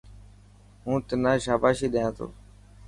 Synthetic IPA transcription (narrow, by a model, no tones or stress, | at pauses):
ɦũːt̪ənãːʃaːbaːʃiːɗəjãːt̪ʰo̰ː